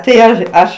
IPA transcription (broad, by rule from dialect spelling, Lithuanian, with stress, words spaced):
tɐɪ ˈɐʃ ˈɐʃ